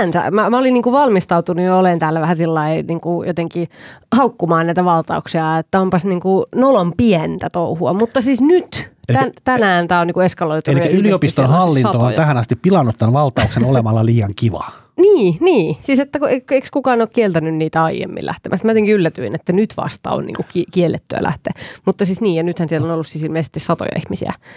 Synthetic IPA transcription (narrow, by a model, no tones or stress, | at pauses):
ænsæ̰mæmæoliniːŋkuʋɑlmist̪ɑut̪unujɑolent̪æːlːæʋæhæsilːɑiniːŋkujot̪eŋkihɑukːumɑːnnæit̪æʋɑlt̪ɑ̰uksiɑet̪ːæompɑsniːŋkunolompiɛnt̪æt̪ouhuɑmut̪ːɑsiːsnyt̪ænt̪ænæːnt̪æːoniːkueskɑloit̪oliæyliopist̪onhɑlːinɑt̪oonjt̪æhænɑst̪ippilɑnːut̪t̪ænʋɑlt̪ɑuksenolemɑlːɑliːɑŋkiʋɑ̰ | niːniːsiːset̪ːækuekekskukɑːnoːkkielt̪ænynniːt̪æɑijḛmːḭlʔæ̰ht̪emæst̪mæot̪eiŋkiylːæt̪yinet̪ːænyt̪ʋɑ̰st̪ɑ̰o̰nnḭːŋkukikielːet̪ːyæ̰lʔæ̰ht̪ḛːmut̪ːɑsisniːjɑnyt̪hænsielːonolːussiːsilmiesi̥t̪ːisɑt̪o̰jɑ̰ḭhmisḭæ̰